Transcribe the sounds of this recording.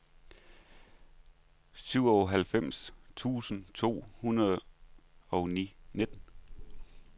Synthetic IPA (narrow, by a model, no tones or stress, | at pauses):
syʊ̰ɒɦælfem̰st͡sʰṵːsən̩t͡sʰo̝̰ːhunɐð̩ˠ | ɒ̽ʊnḭːne̝d̥ən̩